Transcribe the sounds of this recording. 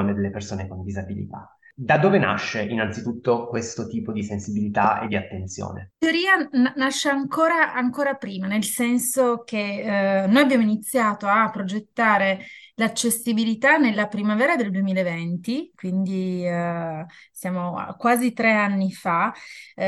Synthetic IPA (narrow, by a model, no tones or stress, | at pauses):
ned̪elːepersoːnekond̪izabilḭt̪a̰ | d̪ad̪oːvena̰ʃːeinansit̪ut̪ːokwest̪ot̪iːpod̪isensibilit̪aḛd̪ːiat̪ːent̪sjo̰ːnḛt̪eoɾiːannaʃːeaŋkoːɾaːŋkoːɾapɾiːmanelsɛnsok̟enojabːjaːmoinit̪sːjaːt̪oapːɾod͡ʒet̪ːaːɾelat͡ʃːesibilit̪anelːapɾimavɛːɾad̪eld̪uemiːlaevɛnt̪ikwind̪i | sjaːmo̰kwaːzit̪ɾeanːifa